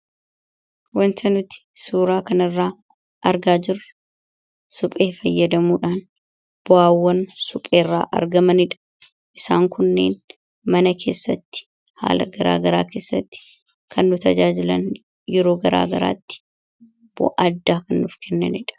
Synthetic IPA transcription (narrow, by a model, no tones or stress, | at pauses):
wɐnt̪ɐnʊt̪ɪ̥suːɾaːkɐnɪrːaː | ʔɐɾɡaːd͡ʒɪrːʊ̥ | sʊpʼe̞ːfɐjːɐd̪ɐmuːᶑaːn | b̥ʊaːwːɐnsʊpʼe̞ːrːa̰ːʔɐ̰ɾɡɐmɐnɪᶑɐ̥ | ʔɪsaːŋkʊnːḛːn | mɐnɐkʰe̞ːsːɐt̪ːɪ̥ | ha̰ːlɐɡɐɾa̰ːɡɐɾaːke̞ːsːɐt̪ːɪ̥ | kɐnːʊt̪ɐd͡ʒaːd͡ʒɪlɐn | jɛɾo̞ːɡɐɾa̰ːɡɐɾa̰ːt̪ːɪ̥ | b̥ʊ̰ʔɐd̪ːaːkɐnːʊfkʰɛnːɐ̰nɪᶑɐ̥